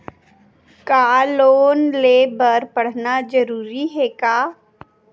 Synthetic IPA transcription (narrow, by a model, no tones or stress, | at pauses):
kaːloːnleːbəɾpɐɽ̤nad͡ʒəɾuːɾiɦɛːkaː